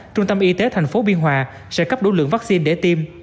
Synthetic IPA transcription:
t͡ɕʊ˧ŋ͡mt̪ə˧mʔi˧t̪e˨˦t̪ʰa˨˩jŋ̟fo˨˦ɓi˧ənɦwaː˨˩ | sɛ̰˧˥kə˦˥p̚ɗo̰˧˩˦lɨ̰˧˨ŋvaː˦˥k̚si˧nɗe˧˩t̪i˧m

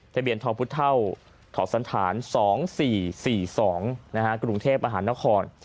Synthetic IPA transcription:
t̪ʰa˧bi˧˩ənt̪ʰɔː˧˩pʰu˦˥t̪ʰa˥˩w | t̪ʰɔː˩p̚sa˩˦nt̪ʰaː˩˦nsɔː˩˦ŋsiː˨˩siː˨˩sɔː˩˦ŋna˦˥kʰa˦˥kɾu˧ŋt̪ʰeː˥˩p̚ʔa˧ɦaː˩˦nːa˦˥kʰɔː˧n

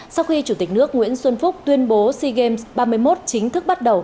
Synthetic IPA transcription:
sa˧wxi˧t͡ɕu˧˩t̪i˨˩k̟̚nɨ˦˥ək̚ŋwḭ˧˥ənswə˧nfʊ˦˥k͡p̚t̪wi˧ənɓo˨˦si˧ɣe˧msɓaː˧mɨ˧əjmo˦˥t̚t͡ɕï˨˦ŋ̟t̪ʰɨ˦˥k̚ɓa˦˥t̚ɗə˨˩w

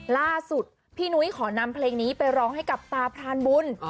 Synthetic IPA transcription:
laː˥˩su˨˩t̪̚ | pʰiː˥˩nu˦˥jkʰɔː˩˦na˧mpʰleː˧ŋniː˦˥pa˧jɾɔː˧ŋha˥˩jka˨˩p̚t̪aː˧pʰɾaː˧nbu˧n

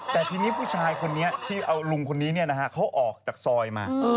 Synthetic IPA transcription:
t̪ɛː˨˩t̪ʰiː˧ni˦˥pʰuː˥˩t͡ɕʰaː˧jkʰo˧nːi˦˥ɐt̪ʰiː˥˩ʔa˧wlu˧ŋkʰo˧nːiː˦˥ni˥˩ɐna˦˥kʰa˦˥˩kʰa˦˥wʔɔː˨˩k̚t͡ɕaː˨˩k̚sɔː˧jma̰ː˧

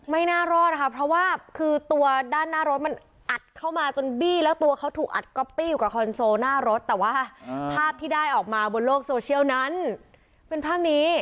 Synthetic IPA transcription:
ma˥˩jnaː˥˩ɾɔː˥˩t̪̚a˧˩kʰa˦˥pʰɾɔ˦˥waː˥˩kʰɯː˧t̪u˧ɐdaː˥˩nːaː˥˩ɾo˦˥t̪̚ma˧n | ʔa˨˩t̪̚kʰa˥˩wmaː˧t͡ɕo˧nbiː˥˩lɛː˦˥wt̪u˧ɐkʰa˦˥wt̪ʰuː˨˩k̚ʔa˨˩t̪̚kɔ˧˩piː˥˩juː˨˩ka˨˩kʰɔ˧nsoː˧naː˥˩ɾo˦˥t̪ːɛː˨˩waː˥˩pʰaː˥˩p̚t̪ʰiː˥˩daː˥˩jʔɔː˨˩k̚maː˧bo˧nloː˥˩k̚soː˧t͡ɕʰi˥˩ə˨wna˦˥n | pe˧npʰaː˥˩p̚niː˦˥

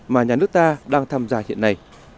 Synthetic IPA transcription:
maː˨˩ɲaː˨˩nɨ˦˥ək̚t̪aː˧ɗaː˧ŋt̪ʰaː˧mzaː˧hḭ˧˨nːa˨˩j

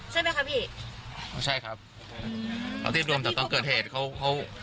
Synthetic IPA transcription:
t͡ɕʰa˥˩ma˦˥jkʰa˦˥biː˥˩ʔo˧˩t͡ɕʰa˥˩jkʰa˦˥p̚ | kʰɔ̰˧t̪i˥˩t̪̚ɾu˧əmɛ˨˩t̪ɔː˧˩ŋkɤː˨˩t̚heː˨˩t̪̚kʰa˦˥wkʰa˦˥w

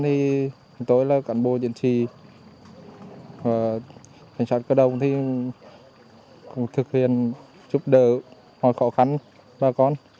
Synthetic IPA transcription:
t̪ʰi˨˩˨ | t̪o˧˦jlaː˨˩ka˧˩nɓo˧˨zḭ˧˨ənt͡ɕḭ˧˨ | vaː˨˩ka˨˩jŋ̟saː˧˥t̚kəː˧˦ɗə˧˨wŋ͡mt̪ʰi˨˩ | kʊ̰˧˥ŋ͡mt̪ʰɨ˨˩k̚hḭ˧˨ən | t͡ɕu˦˥p̚ɗəː˧˩ | mɔ˧˨jxɔ˧˥xa˧˦n | ɓaː˨˩kɔ˧˩n

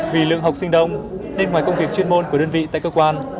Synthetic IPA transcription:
vi˨˩lɨ̰˧˨əŋɦa˨˩wk͡p̚sï˧ŋ̟ɗə˧wŋ͡m | ne˧nŋwaː˨˩jkə˧wŋ͡mvi˨˩ək̚t͡ɕwi˧əmo˧nku˧˩ə˩ɗəː˧nvḭ˧˨t̪a̰ː˧˨jkəː˧kwaː˧n

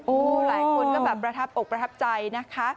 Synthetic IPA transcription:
ʔoː˧˩laː˨˩˦jkʰo˧nk̪a˥˩bɛː˨˩pːɾa˧t̪ʰa˦˥p̚ʔo˨˩k̚pɾa˧t̪ʰa˦˥p̚t͡ɕa˧jna˦˥kʰa˦˥

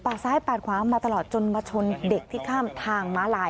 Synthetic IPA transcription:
paː˨˩t̪̚saː˨˦˥jpaː˨˩kʰwaː˨˦maː˧t̪a˧lɔː˨˩t̪̚t͡ɕo˧nwaː˧t͡ɕʰo˧nde˨˩k̚t̪ʰiː˥˩kʰaː˥˩mt̪ʰaː˧ŋmaː˨˦˥laː˧˦j

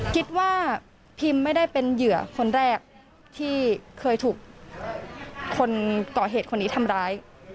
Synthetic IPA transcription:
kʰi˦˥t̪̚waː˥˩ | pʰi˧mːa˥˩jda˥˩jpe˧njɯ˨˩˦ɐkʰo˧nɾɛː˥˩k̚ | t̪ʰiː˥˩kʰɤː˧jt̪ʰuː˨˩k̚ | o˧nkɔː˨˩ɦeː˨˩t̪̚kʰo˧nːiː˦˥t̪ʰa˧mɾaː˦˥j

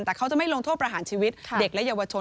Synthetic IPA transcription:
nt̪ɛː˨˩kʰa˦˥wt͡ɕa˨˩ʔma˥˩jlo˧ŋt̪ʰo˥˩t̪̚pɾa˧ɦaː˨˩˦nt͡ɕʰiː˧wi˦˥t̪̚ʰde˨˩k̚lɛ˦˥jaː˧wa˧t͡ɕʰo˧

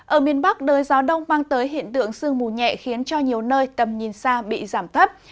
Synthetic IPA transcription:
ʔəː˧˩mi˨˧˩ənɓa˦˥k̚ɗəː˨˦jzaː˨˦ɗə˧wŋ͡mɓaː˧ŋt̪əː˨˦jɦḭ˧˨ənt̪ɨ̰˧˨əŋsɨ˧əŋmu˨˩ɲɛ̰˧˨xi˨˦ənt͡ɕɔ˧ɲi˨˩əwnəː˧jt̪ə˨˩mɲi˨˩nsaː˧ɓḭ˧˨zaː˧˩mt̪ʰə˦˥p̚

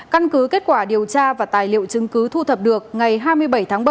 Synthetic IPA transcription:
ka˧nkɨ˨˦ke˦˥t̚kwaː˧˩ɗi˨˩əwt͡ɕaː˧vaː˨˩t̪aː˨˩jlḭ˧˨ə˨wt͡ɕɨ˨˦ŋkɨ˨˦t̪ʰu˧t̪ʰə˨˩p̚ɗɨ˨˩ək̚ŋa˨˩jɦaː˧jmɨ˧əjɓə˧˩jt̪ʰaː˨˦ŋɓə˧

